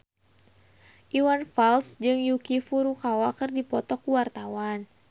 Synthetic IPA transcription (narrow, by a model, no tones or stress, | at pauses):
ʔiwanfalsd͡ʒɨŋjukifuɾukawakərdipɔt̪ɔkuwart̪awan